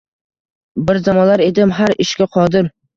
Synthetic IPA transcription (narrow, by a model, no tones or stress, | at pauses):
bɪɾzamɒnlaɾe̞d̪ɪmɦaɾɪʃkʲaqʰɒd̪ɪɾ